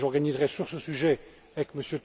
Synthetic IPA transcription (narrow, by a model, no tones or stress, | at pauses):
ʒɔʁɡanizʁɛsyʁsəsyʒɛ | avɛkməsjøt̪